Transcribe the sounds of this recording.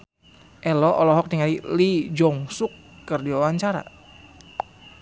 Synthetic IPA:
ʔɛlɔʔɔlɔɦɔk̚niŋalilid͡ʒɔŋsukː | ərdiwawaɲt͡ʃaɾa̰

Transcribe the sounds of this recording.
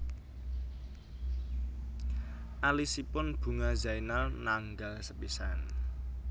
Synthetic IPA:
ʔalisipʊnb̥ṳŋazainalnaŋɡalsəpisan

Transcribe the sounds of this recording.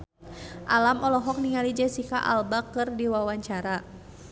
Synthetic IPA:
ʔalamɔlɔɦɔk̚niŋalid͡ʒɛsikaʔa̰lbakɨrdiwawaɲt͡ʃaɾa

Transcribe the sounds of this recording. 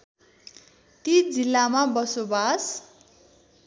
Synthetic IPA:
t̪id͡zilːamabʌsobas

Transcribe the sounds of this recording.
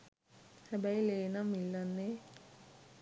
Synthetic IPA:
hɛbɐjleːnɐmilːɐnːe

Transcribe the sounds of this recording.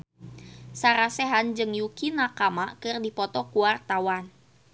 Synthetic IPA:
saɾasɛɦand͡ʒɨŋjukinakamakɨrdipɔt̪ɔkuwart̪awan

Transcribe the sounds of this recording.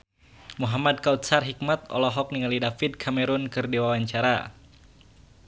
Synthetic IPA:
muɦamad̚kaut̪̚sarɦik̚mat̪̚ɔ̰lɔɦɔk̚niŋalidafid̚kʰamɛɾunkɨrdiwawaɲt͡ʃaɾa̰

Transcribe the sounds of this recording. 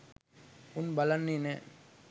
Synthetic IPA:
ʊnbɐlɐnːine

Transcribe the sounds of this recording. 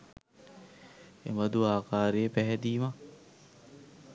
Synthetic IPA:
ḛmɐd̪uaːkaːɾejepɛɦɛd̪iːma

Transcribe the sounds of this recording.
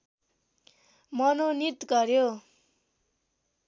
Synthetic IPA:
mʌnonit̪ɡʌɾjo

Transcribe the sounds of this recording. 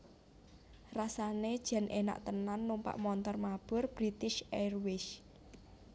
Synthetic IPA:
rasaned̥ʒ̥a̤nʔena̰ʔt̪ənanːumpa̰ʔmɔnt̪ɔrmab̥ʊ̤rb̥ɾit̪ɪʃerwɪʃ

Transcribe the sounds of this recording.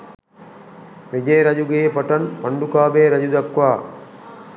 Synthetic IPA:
ʋed͡ʒeːɾad͡ʒuɡejepaʈanpaɳɖukaːbeːɾad͡ʒud̪akʋaː

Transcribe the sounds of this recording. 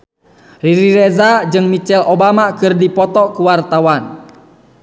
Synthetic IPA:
riɾiɾɛzad͡ʒɨŋmit͡ʃɛlobamakɨrdipɔt̪ɔkuwart̪awan

